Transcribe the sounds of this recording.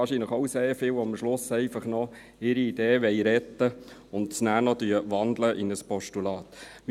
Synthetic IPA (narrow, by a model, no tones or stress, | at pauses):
ɑːʃinləχowseːɾfɪwɑmʃlʊsɛɪfɑχnɔ | ɪɾiːd̥eːʋɛjɾɛt̪ːəʊnt̚t͡snæːnɔd̪yəʋɑnd̪ləʔɪnəspɔʃtulɑːt̪m